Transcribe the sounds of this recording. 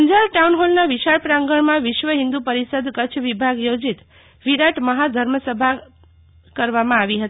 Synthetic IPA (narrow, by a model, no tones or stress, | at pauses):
əɲd͡ʒaɾʈaunɦolnaʋiʃaɾpɾãŋɡəɳmãʋɪʃʋəɦĩnd̪upəɾisəd̪ʱkət͡ʃʰʋibʱaɡjod͡ʒit̪ | ʋiɾaʈməɦad̪ʱəɾməsəbʱa | kəɾʋamãaʋiɦət̪